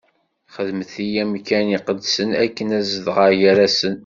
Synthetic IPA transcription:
χəðməθijæmkæniqəd̪sənækːənæzəðʁəɾjaɾæsən

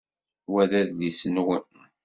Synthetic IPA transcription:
wæðæððisənwən

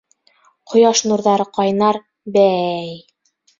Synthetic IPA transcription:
qʰŏjɑʃnuɾðɑɾɤqɑjnɑɾ | bæj

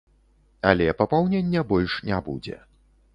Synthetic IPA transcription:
alʲɛpɐpawnʲenʲːɛbɔlʲʂnʲabṵd͡zʲɛ̰

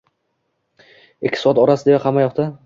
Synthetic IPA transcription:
ekʲʰːɪ̥sɒat̪ɒɾasɪd̪eaqʰɑmajɒqt̪ʰa

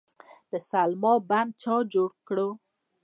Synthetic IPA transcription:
d̪̥əsalmɔban̚t͡ʃɑd͡ʒoɽkɽo

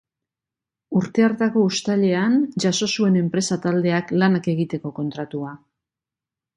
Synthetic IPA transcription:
uɾt̪e̞aɾt̪ako̞ust̪aʎe̞anʝaso̞sue̞ne̞mpɾe̞sat̪ald̪e̞aklanake̞ɣit̪e̞ko̞ko̞nt̪ɾat̪ua

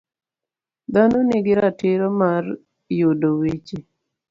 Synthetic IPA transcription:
d̪anɔnɪɡɪɾatɪɾomaɾ | judowit͡ʃi

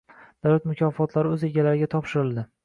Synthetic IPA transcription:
d̪̥awlat̪mʊkʰʲɒfɒt̪ʰlaɾɪɵze̞ɡʲalaɾɪɡʲat̪ʰɒpʃɪɾɪlˠd̪ɪ

